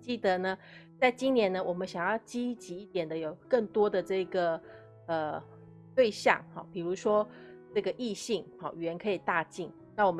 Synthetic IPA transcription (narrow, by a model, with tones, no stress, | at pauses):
t͡ɕi˥˩d̪ə˦nə˧ | t͡sa˥˩ɪt͡ɕi˥nnjɛ˧˦˥nə˧wʔɔ˨˩mə˦nɕjɑ˨˩ŋjɑ˥˩ʊt͡ɕi˥t͡ɕi˧˥i˥˩t̪jɛ˨˩nd̪ə˦jo˨˩ʊkə˥˩ŋt̪wɔ˥d̪ə˨ʈ͡ʂɤ˥˩i˧˥ɡə˩ | ə˧ | t̪we˥˧ɪɕjɑ̰˥˨˩ŋxɑ˥˩pi˨˩ɻu˧˥ʂwɔ˥ʈ͡ʂɤ˥˩ɡə˩ʔi˥˧ɕi˥˩ŋhɑ˥˩ɥɛ˧˥nkʰɤ˧˥i˨˩t̪a˥˧t͡ɕi˥˩n | na˥˩wɔ˨˩m